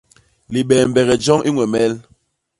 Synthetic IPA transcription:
li˨ɓɛː˨m˨bɛ˨ɣɛ˨d͡ʒɔ˦ŋʔi˦ŋwɛ˨mɛ˦l

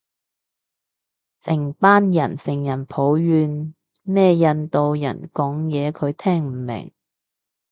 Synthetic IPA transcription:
sɪ˨˩ŋpaː˥njɐ˨˩nsɪ˨˩ŋjɐ˨˩npʰo˨˥wɥyː˧n | mɛː˥jɐ˨˧nt̪o˨wjɐ̰˨˩nkɔː˨˥ŋjɛː˨˧kʰɵ˨˧ɥt̪ʰɛː˥ŋm̩˨˩mɪ̰˨˩ŋ

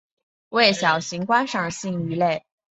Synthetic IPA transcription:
we˥˩ɪɕjɑ˨˩ʊɕi˧˥ŋkwa˥nʂɑ˥˩ŋɕi˥˧ŋy˧˥le˥˩ɪ

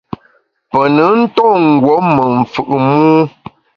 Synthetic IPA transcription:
pə˨nə˨˦n̩˦tɔ˦˨ŋ̩˨ɡwɔ˨˦mə˨ɱ̩˨fʉ˨ʔmuː˦

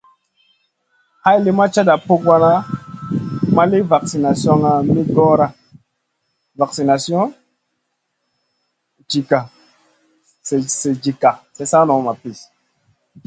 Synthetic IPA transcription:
ha˦jli˦ma˦t͡ʃa˦da˨pu˦kwa˦na˦ | ma˦li˦va˨ksi˨na˨sjo˦ŋa˨mi˦ɡɔ˦ɾa˦ | va˨ksi˨na˨sjɔ̃˦ | d͡ʒi˨ka˨ | e˨se˨d͡ʒi˨ka˨se˨sa˦nɔ˨ma˨pi˨s

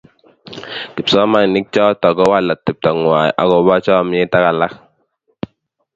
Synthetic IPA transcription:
ki˨psɔ˦ma˦n˨ni˦k̚t͡ʃɔ˦tɔ˨ɡɔ˦wa˦˨la˨ti˨p̚ta˨ŋwa˨ʔa̰˦kɔ˨˦ba˦t͡ʃɔ˦m˦ɛ˦ta˦ka˨la˦k

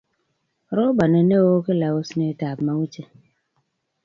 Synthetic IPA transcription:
ɾo˦ba˨ne˨ne˦wo˦ke˦la˨wo˦sne˨˦ta˨pma˨˦wu˦t͡ʃe˦

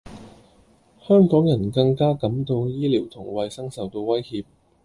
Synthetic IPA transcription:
hœː˥ŋkɔː˨˥ŋjɐ˨˩nkɐ˧ŋkaː˥kɐ˨˥mt̪o˧wjiː˥liː˨˩wt̪ʰʊ˨˩ŋwɐ˧jsɐ˥ŋsɐ˨wt̪o˧wɐ˥jhiː˧p̚

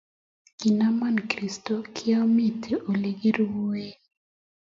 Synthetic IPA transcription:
ki˨na˦ma˦nkɾi˨stɔ˦kʰɪ˦a˦mi˦tʰi˨ʔo˨le˨ɡi˦ɾwo˦e˦

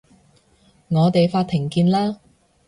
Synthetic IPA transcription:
ŋɔː˨˧t̪e˨jfaː˧t̚t̪ʰːɪ˨˩ŋkiː˧nlaː˥

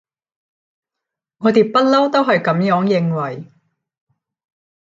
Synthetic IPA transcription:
ŋɔː˨˧t̪eː˨˩pɐ˥t̚lɐ˥wt̪o˥wɦɐ˨jkɐ˨˥mjœː˨˥ŋjɪ˨˧ŋwɐ˨˩j

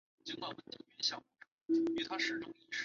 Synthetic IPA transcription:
t͡ɕi˧˥ŋkwa˥˩nwə˥˩nt̪i˧˥˩ŋy˧˩˧ɕjɑ˨˩mu˧˥ʈ͡ʂɤ˥˨˩y˧˩t̪ʰa˥ʂɻ̩˧˥˩ʈ͡ʂʊ˥ŋi˧˥ʂ

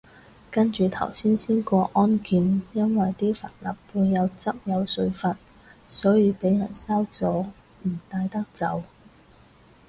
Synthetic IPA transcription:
kɐ˥nt͡ʃyː˨t̪ʰɐ̰˨˩wsiː˥nsiː˥nkʷɔː˧ʔɔː˥nkiː˨˧njɐ˥nwɐ˨jt̪iː˥fɐ̰˨˩t̚lɐ̰˨˩pːuː˧jːɐ˨˧wt͡sɐ˥p̚jɐ˨˧wsɵ˧ɥfɐ˨t̚ | sɔː˨˥jiː˨˧pe˨˥jjɐ̰˨˩nsɐ˥wt͡sɔː˨˥ | m̩˨˩t̪aː˧jt̪ɐ˥k̚t͡sɐ˨˧w

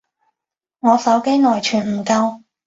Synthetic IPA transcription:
ŋɔː˨˧sɐ˨˥wke˥jnɔː˨˩jt͡ʃʰyː˨˩nm̩˨˩kɐ˧w

